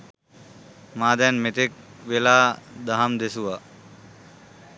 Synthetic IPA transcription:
maːd̪ɛnmet̪ek̚ʋelaːd̪aɦamd̪esuʋa

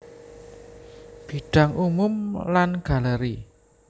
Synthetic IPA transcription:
b̥i̤ɖ̥a̤ŋʔumʊmlanɡ̥a̤ləɾi

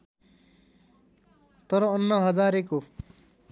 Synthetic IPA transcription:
t̪ʌɾʌːnːʌɦʌd͡zaɾeko

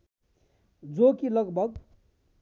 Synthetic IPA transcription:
d͡zokilʌɡbʱʌɡ̚

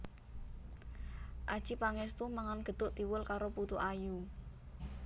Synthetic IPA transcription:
ʔad̥ʒ̥ipaŋɛst̪umaŋanɡ̥ə̤d̪̥ʊʔt̪iwʊlkaɾoput̪uʔaju

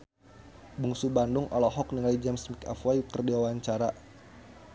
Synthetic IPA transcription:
buŋsubandʊŋʔɔ̰lɔɦɔkniŋalid͡ʒɛmsmika̰fwajuk̪ərdiwawaɲt͡ʃaɾa

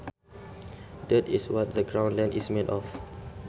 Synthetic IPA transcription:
dɛtiswɔt̚dəɡɹãw̃nlɛ̃ndismedɔf

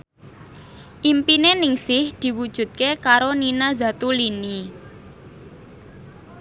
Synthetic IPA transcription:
ʔimpinenɪŋsɪhd̪̥i̤wud̥ʒ̥ṳt̪̚kekaɾoninaza̤t̪ulini

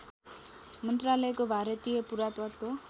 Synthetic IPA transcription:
mʌnt̪ralʌjkobʱaɾʌt̪ijʌpuɾat̪wat̪o

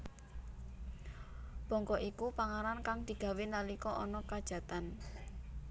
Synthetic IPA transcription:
b̥ɔ̤ŋkɔʔikupaŋaɾankaŋd̪̥i̤ɡ̥ä̤wenalikɔʔɔnɔkad̥ʒ̥a̤t̪an

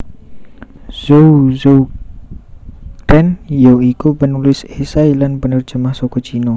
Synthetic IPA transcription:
zowzow | kɾɛnjoikupənulɪsesajlanpənərd͡ʒəmahsɔkɔt͡ʃinɔ

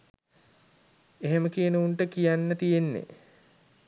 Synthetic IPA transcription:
eɦeməkijənəuɳʈəkijanːət̪ijenːḛ

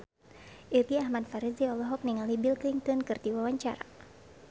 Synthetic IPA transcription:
ʔirɡiahmadfaɾiziɔlɔɦɔk̚niŋalibilkliŋt̪ɔnkɨrt̪iwawaɲt͡ʃa̰ɾa̰

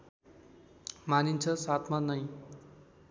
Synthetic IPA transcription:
manint͡sʰʌsat̪ʰmanʌj̃

